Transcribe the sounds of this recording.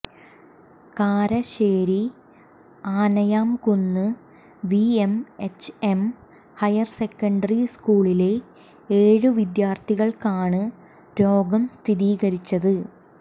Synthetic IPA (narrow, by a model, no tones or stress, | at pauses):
kaːɾɐɕeːɾi | aːnɐjaːmkunːɨ | ʋiemet͡ɕːe̞m | hɐjɐrse̞kːɐɳɖɐriskuːɭile̞ | eːɻɨʋid̪jaːrt̪ʰiɣɐɭkaːɳɨ | ɾo̞ːɡɐmst̪ʰiðiːɣɐɾit͡ɕːɐðɨ